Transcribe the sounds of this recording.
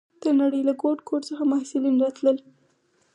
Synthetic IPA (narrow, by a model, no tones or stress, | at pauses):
d̪̥ənaɽəjlaɡoʈkoʈt͡səxamahsɪlinɾɑt̪ləl